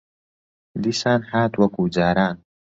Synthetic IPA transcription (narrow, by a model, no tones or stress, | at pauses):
liːsaːnħaːt̪wɐkud͡ʒaːɾaːn